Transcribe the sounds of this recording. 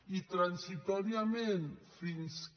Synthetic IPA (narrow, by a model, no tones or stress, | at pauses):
it̪ɾansit̪oɾjamẽnfins